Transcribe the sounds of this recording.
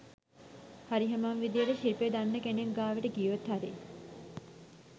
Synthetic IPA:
haɾiɦemamʋid̪ijəʈəʃiɾped̪anːəkeneŋɡaːʋəʈəɡiːʋot̪ɦaɾḭ

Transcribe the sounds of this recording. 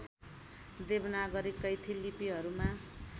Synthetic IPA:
d̪ebnaɡʌɾikːʌjt̪ʰilipiɦʌɾuma

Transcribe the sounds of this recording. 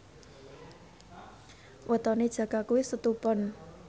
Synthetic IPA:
wʔət̪ɔned̥ʒ̥ä̤ɡ̥akuwisət̪upɔn

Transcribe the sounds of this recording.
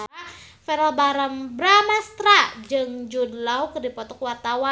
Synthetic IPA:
fɛɾalbaɾəmbɾamast̪ɾad͡ʒɨŋd͡ʒudlawkərdipɔt̪ɔkwart̪awa

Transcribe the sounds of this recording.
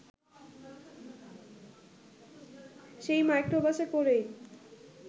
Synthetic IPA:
ʃejmajkɾobaʃekoɾej

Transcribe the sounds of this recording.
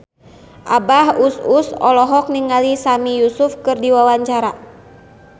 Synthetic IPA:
ʔabahususɔ̰lɔɦɔk̚niŋalisamijusufkɨrdiwawaɲt͡ʃaɾa

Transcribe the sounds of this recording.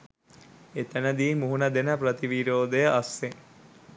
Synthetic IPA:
et̪ænəd̪iːmuɦunɐd̪enəpɾət̪iʋiɾoːd̪əjəʔɐsːe

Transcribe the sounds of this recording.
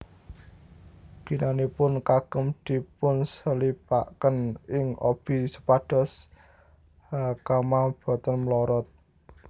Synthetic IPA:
ɡ̥i̤nanipʊnkaɡ̥ə̤md̪̥i̤pʊnsəlipa̰ʔkənɪŋʔo̰b̥i̤sə̥paɖ̥ɔ̤s | hakamab̥ɔ̤t̪ənmlɔɾɔt̪̚

